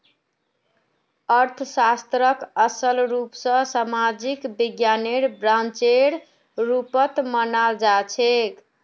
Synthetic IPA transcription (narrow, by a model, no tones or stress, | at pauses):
əɾt̪ʰəsast̪ɾəkəsəlɾupsə̃samad͡ʒikbiɡjaneɽbɾãnt͡ʃeɽ | ɾupət̪mənald͡ʒat͡ʃʰek